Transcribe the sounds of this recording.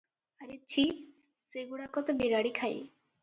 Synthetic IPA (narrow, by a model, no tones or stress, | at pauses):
aɾet͡ʃʰi | seɡuɽakɔt̪ɔbiɾaɽikʰaj